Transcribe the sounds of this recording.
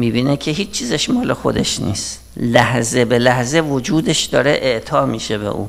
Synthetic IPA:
miːbiːnekʲʰeɦiːt͡ʃːt͡ʃʰːiːzeʃmɒːlexo̞̰d̪ḛʃnḭːst̪ | læhzebelæhzevod͡ʒuːd̪eʃd̪ɒːɾeʔeʔt̪ʰɒːmiːʃebḛʔṵː

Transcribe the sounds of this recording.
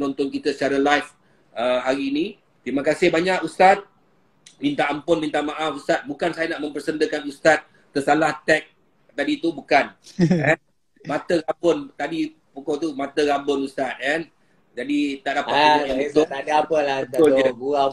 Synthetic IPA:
nɔnt̪ɔnkit̪əsə̥t͡ʃaɾalajf | əɦaɾiːnĩ | t̪ɾimãkasɪhbaɲakust̪at̪̚ | mint̪aːmpʊnmint̪amaʔafust̪at̪̚bukansajanaʔmə̃mpərsəndəkanust̪at̪̚ːəsalaht̪ɛk̚ | t̪adit̪ubukanɛn | mãt̪əɾabʊnt̪adi | pukɔt̪umãt̪əɾabʊnust̪at̪̚ɛn | d͡ʒadit̪aʔdapait̪oadəapəlabət̪ʊləa

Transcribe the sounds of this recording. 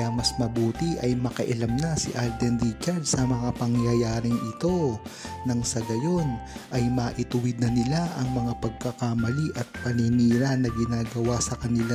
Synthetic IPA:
ɐjamɐsmɐbuːt̪iʔɐjmɐkɐʔɐlɐmnɐsɪ̰ʔald̪ɛndikɐd̪sɐmɐŋapɐŋjajaːɾɪŋɪt̪o̞nɐŋsɐɡɐjo̞nʔɐjmaːʔɪt̪ʊwɪd̪̚nɐnɪlaʔɐŋmɐŋapɐɡ̚kɐkamɐliʔɐt̪̚pɐniniːɾanɐɡɪnaːɡɐwasɐkɐnɪla

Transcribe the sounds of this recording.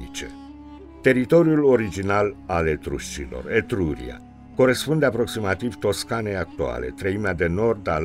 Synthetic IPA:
it͡ʃḛ | t̪e̞ɾit̪o̞ɾjulo̞ɾid͡ʒinalalet̪ɾṵʃt͡ʃilo̰ret̪ɾuɾḭa̰ | ko̞ɾe̞spund̪e̞apɾo̞ksimat̪iv̥t̪o̞skanejak̚t̪ua̰le̞̰t̪ɾəimead̪e̞no̞rd̪al

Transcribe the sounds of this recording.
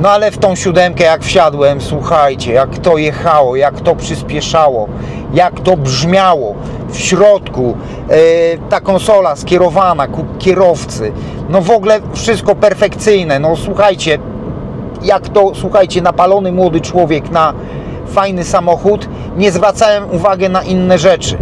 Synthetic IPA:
nɔalɛft̪ɔ̃w̃ɕud̪ɛmkɛjakfɕad̪wɛmswuxajt͡ɕɛjakt̪ɔjɛxawɔjakt̪ɔpʂɘspʲjɛʂawɔ | jakt̪ɔbʐmʲjawɔ | fɕɾɔt̪ku | t̪akɔnsɔlaskʲjɛɾɔvanakukʲjɛɾɔft̪sɘ | nɔvɔɡlɛfʂɘst̪kɔpɛɾfɛkt̪sɘjnɛnɔswuxajt͡ɕɛ | jakt̪ɔswuxajt͡ɕɛnapalɔnɘmwɔd̪ɘt͡ʂwɔvʲjɛkna | fajnɘsamɔxut̪ | ɲɛzvɾat̪sawɛmuvaɡɛnaʔinːɛʐɛt͡ʂɘ̰

